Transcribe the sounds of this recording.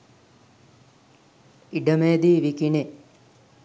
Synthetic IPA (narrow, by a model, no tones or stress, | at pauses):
iɖɐmeːd̪iʋikine